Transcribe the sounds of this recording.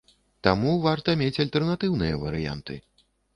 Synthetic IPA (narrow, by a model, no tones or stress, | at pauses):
t̪amuvart̪ɐmʲet͡sʲalʲt̪ɛrnat̪ɨwnɨjɐvɐɾɨja̰nt̪ɨ̰